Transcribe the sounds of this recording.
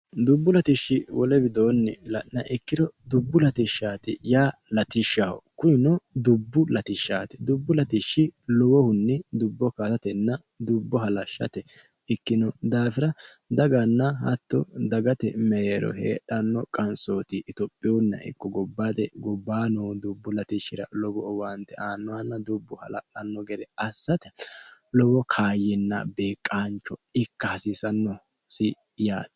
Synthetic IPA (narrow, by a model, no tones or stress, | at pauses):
d̪ʊbːʊlɐt̪ɪʃːɪwɔlɛbɪd̪oːnːɪlɐʔnɐʔɪkːɪɾɔd̪ʊbːʊlɐt̪ɪʃːaːt̪ɪ̰jaːlɐt̪ɪʃahɔ̰kʊjɪnɔd̪ʊbːʊlɐt̪ɪʃːaːt̪ɛ̥d̪ʊbːʊlɐt̪ɪʃːɪlɔwɔhʊnːɛd̪ʊbːɔkat̪ɐt̪ɛnːɐ | d̪ʊbːɔɦɐlɐʃːɐ̰t̪ɛ | ɪkːɪnɔd̪aːfɪɾɐd̪ɐɡɐnːɐhɐ̰t̪ːɔ̰d̪ɐɡɐt̪ɛmɛjeːɾɔ̰ɦḛːɗɐnːɔkʼɐnsoːt̪ɪʔɪt̪ɔpʼːɪjɔnːɐ̰ʔɪ̰kːɔɡɔbːaːd̪ɛɡɔbːaːnɔːd̪ʊbːʊlɐt̪ɪʃɪɾɐ̰lɔbɔɔwant̪ːɛʔaːnːɔwanːɐd̪ʊbːɔhɐ̰lɐ̰ʔʼɐnːɔɡɛd̪ɛɐsːɐt̪ɛlɔbɔkʰaːjɛnːɐ̰beːkʼːaːnt͡ʃːɔɪkːɐhɐsɪsɐnːɔ | sɪ | jaːd̪